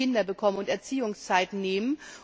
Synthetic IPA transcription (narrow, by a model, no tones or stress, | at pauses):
ɪndɐbəkʰɔmənʊntɛɐt͡siːʊŋst͡saɪtneːmən